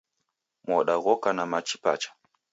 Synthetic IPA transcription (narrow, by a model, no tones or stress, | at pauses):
mɔɗaɣɔkanamat͡ʃi̥pa̰t͡ʃḁ